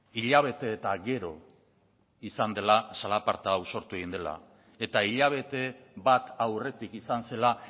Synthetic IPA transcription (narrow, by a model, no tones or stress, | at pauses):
iʎaβ̞e̞t̪e̞ːt̪aɡe̞ɾo̞ | isand̪e̞lasalapaɾt̪aːwso̞ɾt̪ue̞ɣind̪e̞la̰ | e̞t̪aiʎaβ̞e̞t̪e̞βat̪awre̞t̪ikisanse̞la